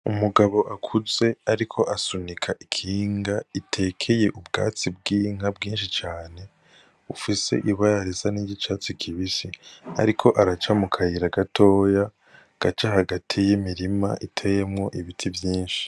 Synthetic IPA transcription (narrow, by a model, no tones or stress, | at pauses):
umuɡaβo̞ʔakʰuze̞aɾikʰo̞ʔasunikʰaʔikʰiːŋɡaitʰe̞kʰeje̞ʔubɡa̰ːt͡sibɡiːŋ̥abɡiːnʃit͡ʃaːne̞ | ufise̞̰ʔiβaɾaɾezaniɟit͡ʃat͡sikʰiβisia̰ɾikʰo̞ʔaɾat͡ʃamukʰahiɾaɡatʰo̞ːja | ɡ̥at͡ʃahaɡatʰijimiɾima̰ʔitʰejemŋo̞ʔiβitʰivjiːnʃi̥